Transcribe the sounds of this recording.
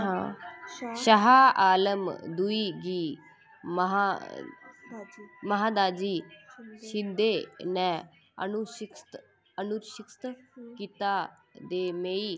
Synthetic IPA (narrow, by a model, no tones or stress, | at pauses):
ɦã | ʃəɦaaːləmd̪uiɡiː | mɐɦa | mɐɦad̪aːd͡ʒiːʃid̪ʱenɛ̃ | ə̰nuʃɪkst̪ | ənuɾʃikst̪kit̪a | d̪eːmeːi